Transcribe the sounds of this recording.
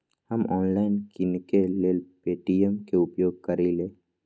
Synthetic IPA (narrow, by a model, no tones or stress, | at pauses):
həmɔːnlaɪnkɪnkelelpeːʈijəmkeʊpjoːɡ̚kəɾile